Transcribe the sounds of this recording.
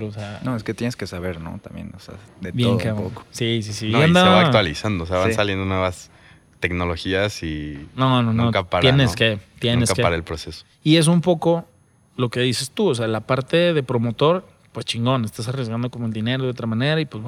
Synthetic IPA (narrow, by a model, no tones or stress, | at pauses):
oseanoesket̪jeneskesaβeɾno̰t̪a̰mbjḛnosḛd̪etbjeŋkeoko̥sisisinoand̪aaaβakt̪walisand̪oːseaβansaljend̪onweβas | t̪e̞kno̞lo̞xiasinononokapaɾjeneket̪jeneskakeaɾaelpɾoseso | ie̞s̬umpo̞ko̞ | lo̞ke̞ðise̞st̪uos̬ealapaɾt̪e̞ðe̞pɾo̞mo̞t̪o̞ɾ | pwest͡ʃiŋɡo̞ne̞st̪asarjezɣand̪okomoe̞ld̪ine̞ɾo̞ðeo̞t̪ɾamãne̞ɾaipwezwe